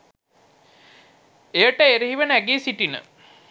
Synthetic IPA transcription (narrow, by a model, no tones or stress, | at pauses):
ejəʈəeɾeɦiʋənæɡeːsiʈinə̰